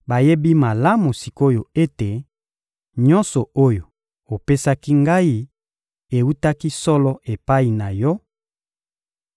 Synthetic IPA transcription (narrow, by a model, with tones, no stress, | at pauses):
ba˨je˦bi˦ma˨la˦mu˨si˨ko˦jo˨e˦te˨ | ɲɔ̃˦nsɔ˨o˦jo˨ | o˨pe˦sa˦ki˦ŋɡa˦i˦ | e˨wu˦ta˦ki˦sɔ˦lɔ˦ʔe˨pa˦i˨na˨jɔ˦